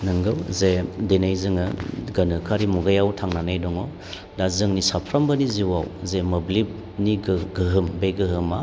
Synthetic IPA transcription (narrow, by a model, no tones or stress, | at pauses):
nɯŋɡɯwzedenajzɯŋɯɡɐnɯkʰaɾimuɡajawtʰaŋnanajdɔŋɔ | dazɯŋnisapʰɾambɐniziwawzemɐblib̚ | niɡɡɯɦɯmbeɡɯɦɯma